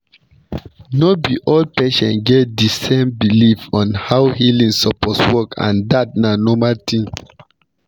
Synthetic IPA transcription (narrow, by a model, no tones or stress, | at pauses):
nɔbiʔol̚pɛʃɔ̰̃nɡɛt̚disẽmbilifɔ̃nhawhilĩŋsɔpɔtswɔkʰã̰ndat̚nanɔmaltʰĩn